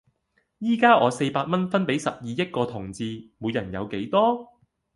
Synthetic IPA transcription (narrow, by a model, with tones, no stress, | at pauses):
jiː˥kaː˥ʔɔː˨˧se˧jpaː˧t̚mɐ˥nfɐ˥npe˨˥jsɐ˨p̚jiː˨˧jɐ˥t̚kɔː˧t̪ʰʊ˨˩ŋt͡siː˧muː˨˧jːɐ˨˩njɐ̰˨˧wke˨˥jt̪ɔː˥